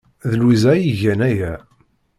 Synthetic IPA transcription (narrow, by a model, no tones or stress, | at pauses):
ðəlwizæjiʝænæjæ